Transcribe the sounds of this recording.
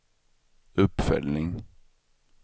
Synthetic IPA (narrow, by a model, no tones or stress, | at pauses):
ɵpːfœ̰lnɪŋ